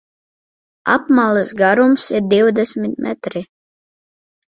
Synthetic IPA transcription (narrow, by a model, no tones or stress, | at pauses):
a̰pmalˠɨsɡaɾumsiɾd̪iwd̪ɛsmʲit̪mʔɛ̰t̪ɾi